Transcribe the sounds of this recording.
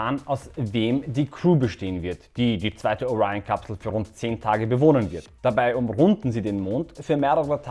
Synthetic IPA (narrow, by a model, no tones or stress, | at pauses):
aːnʔaʊsveːmdiːkʁ̥uːbəʃteːənvɪɐtd̥iːdiːt͡sv̥aɪtəoʁaɪonkʰapsl̩fyːɐʁʊntt͡seːntʰaːɡəbəvoːnənvɪɐtd̥abaɪʔʊmʁʊndn̩ziːdeːnmoːntfyːɐmeːʁəʁətʰ